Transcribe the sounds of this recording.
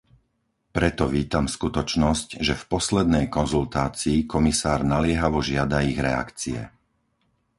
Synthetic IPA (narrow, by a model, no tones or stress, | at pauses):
pɾɛt̪ɔʋiːt̪amskut̪ɔt͡ʃnɔscʒɛfpɔslɛd̪̚nɛjkɔnzult̪aːt͡siːkɔmisaːɾnalɪɛɦaʋɔʒɪad̪aiɣɾɛa̰kt͡siɛ̰